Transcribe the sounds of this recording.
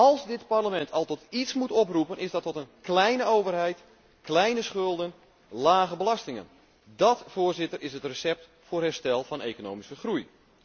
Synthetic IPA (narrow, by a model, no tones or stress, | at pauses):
ɑlˠsdɪtparləmɛntʰɑlˠtɔtitsmutɔprupənʔɪzdɑtːɔtənklɛjnəowvərɦɛjt | klɛjnəsχɵlˠdən | laːɣəbəlɑstɪŋə̰n | dɑtfoːrzɪtərʔɪsətrəsɛp̚t | fʊːrɦɛrstɛlˠfɑnḛjkono̰ːwmiskəxruj